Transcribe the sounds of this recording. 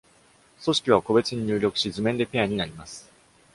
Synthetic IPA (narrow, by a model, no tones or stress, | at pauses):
so̞ɕi̥kʲiβ̞ako̞be̞t͡sɨɲ̟iɲɨːɾʲo̞kɯ̟̥ɕizɨmẽnd̪e̞pe̞aɲ̟inaɾʲimasɨ̥